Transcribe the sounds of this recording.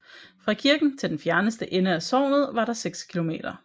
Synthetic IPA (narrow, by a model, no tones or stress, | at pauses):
fʁɑ̈kʰiɐɡ̥n̩t͡sʰe̝ld̥enfjæɐnəsd̥əʔenəæsɒ̰ːmð̩ˠʋɑ̈ɾ̥ɑ̈seɡ̥skʰilo̝me̝̰ːd̥ɐ